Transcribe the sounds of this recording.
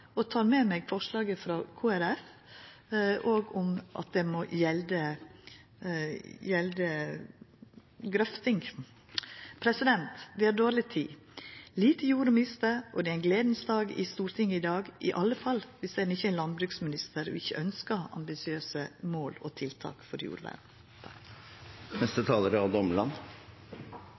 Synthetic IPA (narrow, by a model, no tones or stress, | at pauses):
ɔt̪ʰɑːɾmɛmɛɡfɔʂlɑːɡəfɾɑkʰuːæɾɛf | ʔoːɡʊmʔɑ̰t̪̚d̪ɛmɔjɛld̪ə | jɛld̪ə | ɡɾœft̪ɪŋ | pʰɾɛsɪd̪ɛnt̪d̪ɪæɖ̪oːɾlɪt̪ʰḭː | liːt̪əjuːɾəmɪnɪst̪əɾʔɔd̪ɛæɪnɡleːd̪nsd̪ɑːɡɪ̰st̪uːɾt̪ʰɪŋːəɪd̪ɑːɡʔɪ̰ʔɑlːəfɑlʋɪsd̪ɛdnɪçːəænlɑnbɾʉːksmɪnɪst̪əɾɔ̰ɪçːə̰ʔœnskəɑ̰mbɪsɪøːsəmoːlɔ̰t̪ʰɪlt̪ʰɑ̰ːkfɔɾjṵːɾʋæ̰ːd̪n̩ | t̪ʰ | nɛst̪ət̪ʰɑːləɾəɑʋd̪ɔməɭɑn